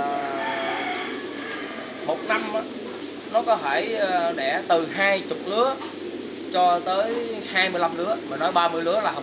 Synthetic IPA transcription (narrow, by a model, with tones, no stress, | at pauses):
mo˨˩t̚na˧mʔa˧˦ | nɔ˨˦kɔ˨˦t̪ʰe˧˩jɗɛ̰˧˩t̪ɨ˨˩ɦaː˧jt͡ɕʊ˨˩k͡p̚lɨ˨˦ə | t͡ɕɔ˧t̪əː˨˦jhaː˧jmɨ˧əjla˧mlɨ˨˦əm˨˩nːɔ˨˦jɓaː˧mɨ˧əjlɨ˨˦əlaː˨˩˨